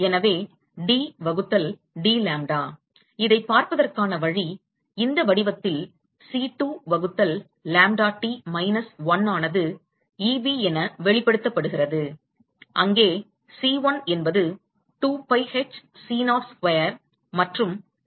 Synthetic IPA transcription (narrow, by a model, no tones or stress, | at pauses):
ɛnɐʋeː | ɖiːʋɐɣɯt̪ːɐl | ɖiːlaːmɖaː | ɪðɐɪpːaːɾpɐðɐrkaːnɐʋɐɻi | ɪnd̪ɐʋɐɽɪʋɐt̪ːɪl | siːʈuːʋɐɣɯt̪ːɐlː | aːmɖaːʈːimɐɪnɐsʋɐnaːnɐðɯ | iːbiɛnɐʋɛɭɪpːɐɽɯt̪ːɐpːɐɽɯɣɪrɐðɯ | ʔɐŋɡeː | siːʋɐnɛnbɐðɯ | ʈuːpɐɪhɛt͡ʃsiːnaːɾskʋɐjɐɾ | mɐʈrɯm